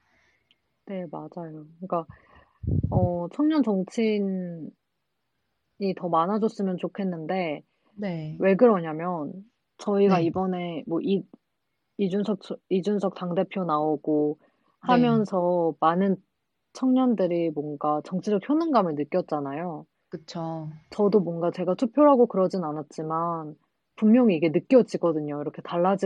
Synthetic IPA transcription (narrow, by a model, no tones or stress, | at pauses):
ne̞mad͡ʑajoɯik͈a | ʌt͡ɕʰʌŋɲʌnt͡ɕʌŋt͡ɕʰin | itʌmanad͡ʑʌs͈ɯmjʌnt͡ɕokʰe̞nːɯnde̞ | nwe̞ɡɯɾʌɲamjʌn | t͡ɕʌiɡaibʌne̞mwʌʔi | id͡ʑunsʰʌk̚t͡ɕid͡ʑunsʰʌk̚t͈aŋde̞pʰjonaoɡ̥o | hamjʌnsʰʌmanɯn | t͡ɕʰʌŋɲʌndɯɾimwʌnɡat͡ɕʌŋt͡ɕʰid͡ʑʌk̚çjonɯŋɡamɯɭnɯk͈jʌt̚t͡ɕ͈anajo | kɯt͡ɕʰot͡ɕʌdomwʌnɡat͡ɕe̞ɡatʰupʰjoɦaɡokɯɾʌd͡ʑinnanat̚t͡ɕ͈iman | pummjʌŋiːɡe̞nɯk͈jʌd͡ʑiɡʌdɯɲoiɾʌkʰe̞taɭːad͡ʑi